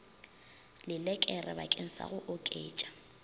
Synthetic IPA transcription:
lɪlɛkʼɛrɛba̰kʼen̩sa̰ɣʊʔʊkʼeːt͡ʃʼḁ

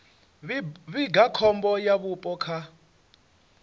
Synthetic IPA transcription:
βiɡakʰɔmbɔjaβupʼɔkʰa

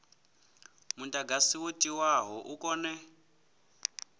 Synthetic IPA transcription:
muntʼaɡasiwutʼiwaɦɔʔukʼɔnɛ

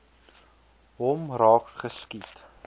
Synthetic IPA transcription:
ɦɔmrɑːkχəskit

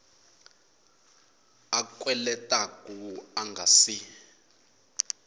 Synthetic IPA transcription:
akʼwɛlɛtʼakʼuaŋɡʱasi

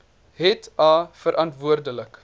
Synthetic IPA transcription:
ɦɛtɑːfəɾʔɐntvuərdələk

